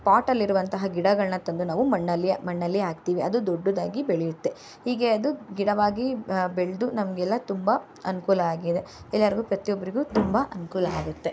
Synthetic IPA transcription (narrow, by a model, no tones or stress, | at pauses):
paːʈɐlːiɾuʋɐnt̪ɐɦɐɡiɽɐɡɐɭnɐt̪ɐnd̪unaːʋumɐɳːɐlːijɐmɐɳːɐlːijaːɡ̚t̪iːʋiʔɐd̪ud̪oɖːud̪aːɡibeɭɛjut̪ːe̞ | hiːɡe̞ɐd̪uɡiɽɐʋaːɡibeɭd̪unɐmɐɡɛlːɐt̪umbɐ | ɐnukuːlɐaːɡid̪e̞ɛlːaːɾiɡuːpɾɐt̪ijobːɐɾiɡuːt̪umbɐʔɐnukuːlɐaːɡut̪ːe̞